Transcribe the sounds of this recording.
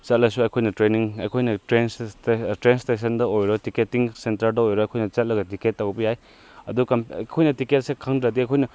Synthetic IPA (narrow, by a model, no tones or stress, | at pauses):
t͡ʃɐt̚lɐsuɐjkʰojnɐtɾeniŋɐjkʰojnɐtɾenstɾenstes̬ɐndɐojɾotiketːiŋsentɐɾdɐojɾɔɐjkʰojnɐt͡ʃɐt̚lɐɡɐtiketːɐwbɐjaj | ɐdukɐmkʰojnɐtiket̚sekʰaŋdɾɐdiɐjkʰojnɐ